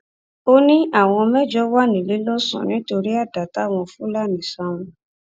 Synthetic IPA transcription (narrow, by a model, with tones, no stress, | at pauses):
o˦nĩ˦a˦˨w̃ɔ̃˧mɛ˦d͡ʒɔ˦wa˦nĩ˨li˨˦lɔ˦sɔ̰̃˨nĩ˨˦to˧ɾi˦a˦˨da˨ta˨˦˨w̃ɔ̃˧fũ˦la˦˨nĩ˨sa˦w̃ũ˧